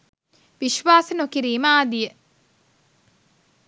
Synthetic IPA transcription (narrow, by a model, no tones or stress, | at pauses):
ʋiʃʋaːsənokiɾiːməaːd̪ijə